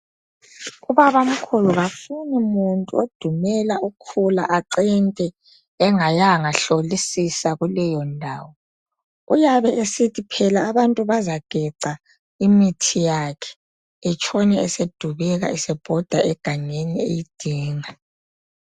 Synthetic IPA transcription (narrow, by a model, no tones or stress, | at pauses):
uβaβam̩kʰulɔβafunimuntʼṵod̥ʱumɛlaukʰulaʔaǀɛntʼɛ | ɛŋajaŋaɬolisisaɣulɛjɔndʱaːwɔ | ujaβɛʔesitʰipʰɛlaːβantʼuβazaɡ̥ʱɛǀa | imitʰijakʰɛ̥ | ɛt͡ʃʰʼɔnɛɛsed̥ʱuβɛɣa̰ɛsɛb̥ʱɔd̥ʱaʔɛɡ̥ʱaŋeniḛjid̥ʱiːŋa